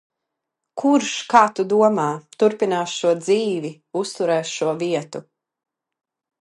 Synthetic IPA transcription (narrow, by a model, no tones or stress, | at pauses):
kʰuɾʃkaːt̪ud̪uɔmaːt̪uɾpinaːsʃuɔd̪ziːvi | ust̪uɾɛːʃuɔviɛt̪u